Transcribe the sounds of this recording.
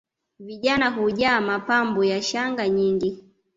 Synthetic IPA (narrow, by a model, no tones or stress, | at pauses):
viʄanaɦuʄaːmapambɔjaʃaŋɡaɲiŋɡi